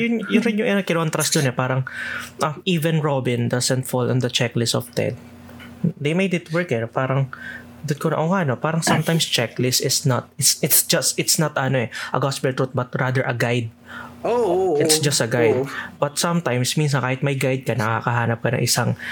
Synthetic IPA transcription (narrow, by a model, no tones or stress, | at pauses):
jʊnjʊɪnjʊŋʔɐnokɪnɐwant̪ɾasd̪onɛpaːɾɐŋʔɐmʔiːvɛnɹobɪ̃nd̪ɐsɛnt̪fɔlɛnd̪ɐt͡ʃɛklɪsɔft̪ɛ̰d̪̚ | d̪ejmejd̪ɪt̪wɛɹkɛnpaːɾɐŋ | d̪ʊd̪konɐʔoːŋaʔnopaːɾɐŋsɐmt̪ajmst͡ʃɛklɪsɪsnɐt̪̚ɪt̪sɪt̪sd͡ʒɐst̪ɪt̪snɐt̪ɐno̞ʔɛʔɐɡaspɛlt̪ɾut̪̚bɐt̪̚ɹad̪ɛɹʔɐɡajd̪̚oʔɪt̪sd͡ʒɐst̪ɐɡajd̪bɐt̪̚sɐmt̪ajmsmins̬ɐnkaːhɪt̪̚mɐjɡajd̪̚kɐnɐkakɐɦaːnɐp̚kɐnɐ̰ŋʔɪsaŋ